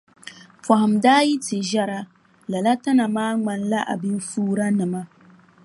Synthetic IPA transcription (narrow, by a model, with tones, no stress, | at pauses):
pa˨hʊ˨mdaː˦ji˦tɪ˨ʒa˦ɾa˦ | la˨la˦ta˦na˨maː˦ŋ͡ma˨nla˦ʔa̰˨bi˦n˦fuː˦ɾa˦nɨ˨ma˦